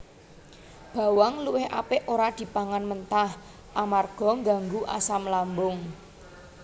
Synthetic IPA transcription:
b̥ä̤waŋluwɪhʔa̰pɪʔoɾad̪̥i̤paŋanmənt̪ah | ʔamarɡ̥ɔ̤ŋɡa̤ŋɡuʔa̰samlambʊŋ

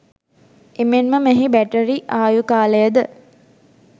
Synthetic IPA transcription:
emenməmæɦibæʈəɾiʔaːjukaːləjəd̪ə

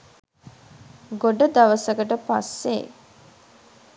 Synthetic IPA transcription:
ɡoɖəd̪aʋəsəkəʈəpasːe

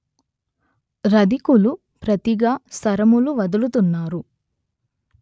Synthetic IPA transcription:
ɾɐd̪ikulu | pɾɐt̪iɡaːsɐɾɐmuluʋɐd̪ulut̪unːaːɾu

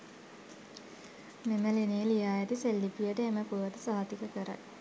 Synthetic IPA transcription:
meməlenelijaːjet̪iselːipijəʈəeməpuʋət̪əsaɦat̪ikəkəɾa̰k

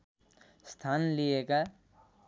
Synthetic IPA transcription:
st̪ʰaːnlieɡa

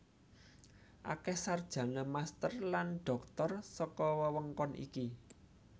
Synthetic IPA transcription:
ʔa̰kɛhsard̥ʒ̥ä̤namast̪ərlanɖ̥ɔ̤k̚t̪ɔrsɔkɔwəwəŋkɔnʔḭki

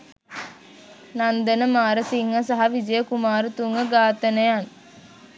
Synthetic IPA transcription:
nɐnd̪ɐnɐmaːɾɐsiŋɦɐsɐɦɐʋid͡ʒɐjɐkumaːɾut̪uŋɐɡaːt̪ɐnɐjaːn

